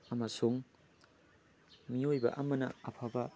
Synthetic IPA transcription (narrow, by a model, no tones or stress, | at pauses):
ɐmɐsuŋ | miojbɐ̰ʔɐmɐnɐ̰ɐpʰabɐ